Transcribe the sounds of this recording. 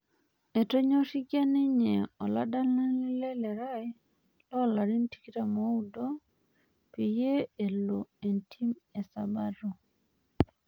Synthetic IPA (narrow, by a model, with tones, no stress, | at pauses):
e˨to˦ɲɔ˦ʃi˦kja˦nɪ˦ɲeɛ˨ɔ˨la̰˦da˦lna˦lɪ˦lɛ˦lɛ˨ɾa˦ɛ˦ | lɔ˦˨la˨ɾi˦n˦ti̥˦ki˦ta˨mo˦u˦do˦ | pi˨je˦e˨lo˨e˨ntʰi˦me˨sa˨ba˦ɾo˨